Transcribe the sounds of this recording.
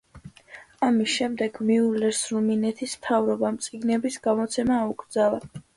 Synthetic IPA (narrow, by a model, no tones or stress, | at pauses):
amisʃɛmd̪ɛɡmiulɛɾsɾuminɛt̪ʰismt̪ʰavɾɔbamt̪sʼiɡnɛbisɡamɔt̪sʰɛmaːuɡʼɾd̪zala